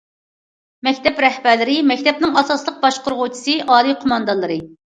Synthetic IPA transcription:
mɛkʲt̪ʰɛpɾɛhbæɾlɪɾɪmɛkʲt̪ʰɛp̚nɪŋɑsɑslˠəq̚bɑʃqʊɾʁʊt͡ʃʰi̥sɨʔɑːlˠijqʰomɑnd̪ɑnlːˠɨɾɨ

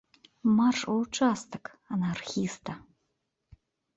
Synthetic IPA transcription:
maʂʼowʈ͡ʂʰʼast̪ʰɨkʰʼ | anarxʲist̪ʰa

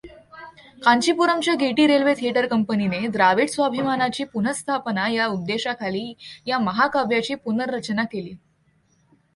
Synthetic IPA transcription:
kaɲt͡ɕipuɾəmt͡ɕjaɡeʈiːɾelʋet̪ʰieʈəɾkəmpənined̪ɾaʋiʈsʋabʱimanat͡ɕiːpun̤əst̪ʰapənajaud̪ːeɕakʰaliːjaməɦakabʱjat͡ɕiːpunəɾːət͡ɕnakeliː

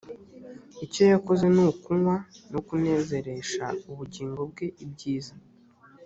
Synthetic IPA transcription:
ico̞jako̞ze̞nukuŋwanokune̞ːze̞ɾe̞ʃa̰uβuɟiːŋɡo̞b̚ɡe̞ʔib̚ɟiːza

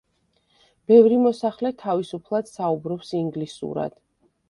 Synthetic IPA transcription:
b̥ɛvɾimɔsaχlɛt̪ʰavisupʰlˠad̪̥saubɾɔpsiŋɡlisṵɾa̰d̪̥

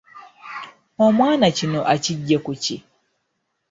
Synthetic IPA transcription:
omwaːnat͡ɕinoʔaciɟːekut͡ɕi

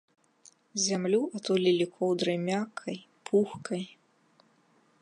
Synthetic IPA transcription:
zʲamlʲuʔat̪ulʲilʲikʰɔwd̪ɾɨjmʲakʰɐj | pʰuxkɐj

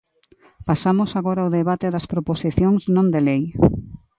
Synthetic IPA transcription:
pasamosaɣoɾaoðeβat̪eðɐspɾoposiθjoŋsnõnd̪elej

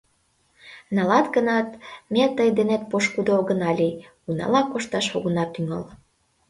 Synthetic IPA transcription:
nɑlɑt̪ɡənɑt̪met̪əjd̪enet̪̚poʃkud̪ooɣənɑlʲi | unɑ̰lɑkoʃt̪ɑʃoɣənɑt̪yŋɑ̰l

